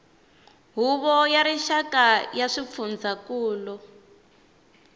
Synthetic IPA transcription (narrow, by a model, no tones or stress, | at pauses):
ɦuβɔjaɾiʃakajaʂip̪fund͡zakuːlɔ